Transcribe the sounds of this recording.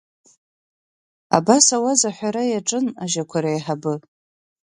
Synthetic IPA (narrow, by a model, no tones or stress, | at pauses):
a̰basawazaħʷᶣaɾajaʈ͡ʂʼɨnaʒakʷʰaɾajħabɨ